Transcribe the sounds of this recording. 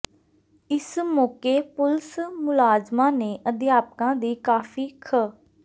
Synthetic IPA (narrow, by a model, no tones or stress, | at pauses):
ɪsmɔːkeːpʊlsmʊlaːzmãːnẽːʔəd̪ɪjaːpkãːd̪iːkaːfʰiːkʰə